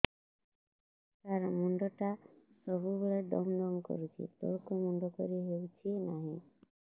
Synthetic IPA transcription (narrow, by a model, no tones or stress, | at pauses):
k̪aɾmɔɳɖɔʈasɔbuboɭeɖɔ̰mɖɔmkɔ̰ɾut͡ʃʰḭt̪ɔ̰ɽkumɔɳɖɔkɔɾiɦewt͡ʃʰinaɦĩ